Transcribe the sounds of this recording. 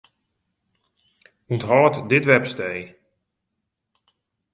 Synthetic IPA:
untɦɔːtdɪtʋɛpstej

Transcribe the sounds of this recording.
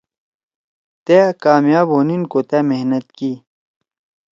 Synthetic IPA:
t̪eːkaːmjaːboːninkot̪eːmehnɐt̪kiː

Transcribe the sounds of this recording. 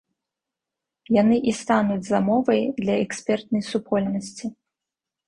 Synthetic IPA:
janɨʔist̪anud͡zʲzamɔvɐjd̪lʲɐɛksʲpʲɛrt̪nɐjsupʰɔlʲnɐsʲt͡sʲi

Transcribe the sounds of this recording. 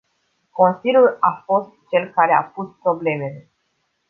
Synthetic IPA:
ko̞nsilʲjulafo̞st̪̚t͡ʃe̞lkaɾe̞a̰puspɾo̞ble̞me̞le̞

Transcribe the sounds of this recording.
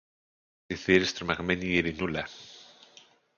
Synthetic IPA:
diθiɾest̪ɾmaɣmenieɾinula

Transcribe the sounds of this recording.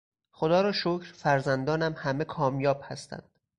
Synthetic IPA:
χod̪ɒːɾɒːʃocʰɾfæɾzænd̪ɒːnæmhæme̞kʰɒːmjɒːb̥̚hæst̪æ̰nd̪̥

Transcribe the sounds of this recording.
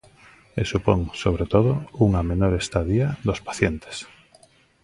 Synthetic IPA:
esupoŋsoβ̞ɾet̪oðouŋamenoɾest̪aðiaðospḁθjent̪e̥s

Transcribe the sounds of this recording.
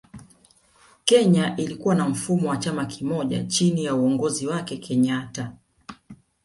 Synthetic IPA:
kɛɲaʔilikuwanam̩fumɔwat͡ʃamakimɔʄa̰t͡ʃinijauɔŋɡɔziwakɛkʰɛɲata

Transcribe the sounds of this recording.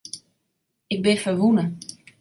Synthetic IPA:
ɪɡ̚bɪfəʋunə

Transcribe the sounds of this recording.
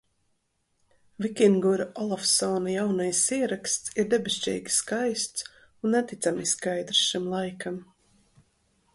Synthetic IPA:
vikʲiŋɡuɾaʔɔlˠafsɔnajawnajsiɛɾakst̪siɾd̪ɛbɛst͡ʃɛ̰jɡʲi̥skajst̪s | unːɛt̪it̪samiskajd̪ɾsʃimlˠajkam

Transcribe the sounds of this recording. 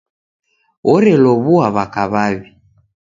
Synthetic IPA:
ɔɾɛlɔβuaβakaβaβi

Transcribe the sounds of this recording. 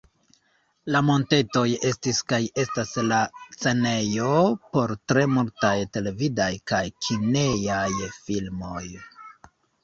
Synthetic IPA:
lamo̞nte̞to̞je̞stiskaje̞staslat͡se̞ne̞jo̞po̞ɾtɾe̞multajte̞le̞vidajkajkʰinejajfilmo̞j

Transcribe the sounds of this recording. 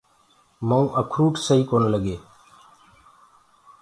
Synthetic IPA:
maũːʔəkʰɾuːʈʰsəɦiːkoːnːləɡeː

